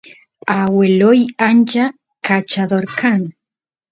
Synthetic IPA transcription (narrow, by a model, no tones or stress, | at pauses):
awelojant͡ʃa | kat͡ʃaðoɾkʰan